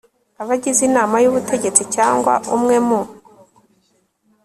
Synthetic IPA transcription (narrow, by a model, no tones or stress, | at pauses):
aβaɟizinaːmajuβutʰe̞ɟe̞t͡sicaːŋɡwa̰umŋe̞mu